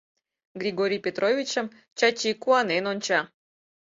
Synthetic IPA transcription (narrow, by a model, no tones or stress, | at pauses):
ɡrʲiɡoɾʲijpʲet̪rovʲit͡ɕə̆m | t͡ɕɑt͡ɕikuɑnenonʲt͡ɕɑ